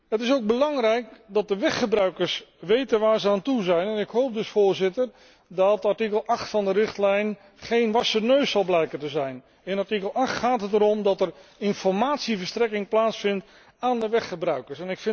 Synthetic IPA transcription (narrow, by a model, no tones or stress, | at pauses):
ɦətɪsowɡ̚bəlɑŋrɛjk̚dɑt̚dəʋɛχχəbrœɥkəɹsʋejtənʋaːɹzəaːntuzɛjnɛnɪkɦowp̚dɵsfoːɹzɪtər | dɑtaɹtikəlˠʔɑχtfɑndəɾɪχtlɛjn | χejnʋɑsənøɥsɑlˠblɛjkəntəzɛjn | ɪnaɹtikəlˠɑχtχaːtɦətəɾɔmdɑtərɪnfɔɹmaːtsivəɹstrɛkɪŋplaːtsfɪnt | aːndəʋɛχχəbrœɥkəɹsɛnɪkfɪn